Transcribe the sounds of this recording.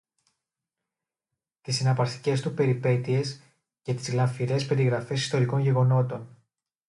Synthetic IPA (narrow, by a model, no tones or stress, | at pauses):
t̪isinɐpɐɾθi̥ce̞st̪upe̞ɾipe̞t̪ie̞s | ʝɐt̪i̥zɣlɐɱfiɾe̞spe̞ɾiɣɾɐfe̞si̥st̪o̞ɾiko̞nʝe̞ɣo̞no̞t̪o̞n